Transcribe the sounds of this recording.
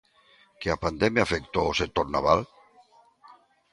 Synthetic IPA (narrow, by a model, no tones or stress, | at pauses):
keapand̪ɛmjafekt̪oosek̚t̪oɾnaβal